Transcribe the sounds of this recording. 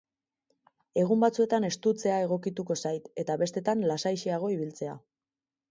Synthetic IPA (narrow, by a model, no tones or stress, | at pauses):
e̞ɣumbat͡sue̞t̪ane̞st̪ut͡se̞ae̞ɣ̞o̞kit̪uko̞sajt̪e̞t̪aβe̞st̪e̞t̪anlasajʃiaɣ̞o̞iβ̞ilt͡se̞a̰